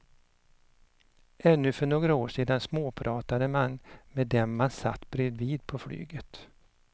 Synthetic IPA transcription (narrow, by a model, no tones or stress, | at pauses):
ɛnːɵfœɳoːɡɾaoːʂiːd̪ansmoːpʰɾɑːt̪ad̪əmanmed̪ɛmmansa̰t̪ːbɾeːd̪viːd̪̚pʰɔfly̰ːɡət̪